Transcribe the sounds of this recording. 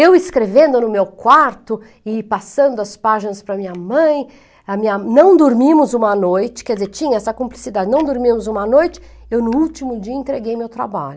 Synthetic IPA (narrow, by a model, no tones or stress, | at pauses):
ewɪskɾevẽnd̪ʊnʊmewkwaɾt̪ʊ | ɪpasɐ̃nd̪ʊɐspaʒɪnɐspɾɐmĩɲɐmɐ̃j̃ | ɐmĩɲɐnɐ̃w̃d̪oɾmĩmʊzũmɐnojt͡ʃɪ̥kɛɾd͡ʒɪzeɾt͡ʃĩɲɐɛsɐkõmplisid̪ad͡ʒɪnɐ̃w̃d̪oɾmĩmʊzũmɐnojt͡ʃɪ̥ | ewnʊuwt͡ʃimʊd͡ʒiɐẽnt̪ɾeɡejmewt̪ɾa̰ba̰ʎʊ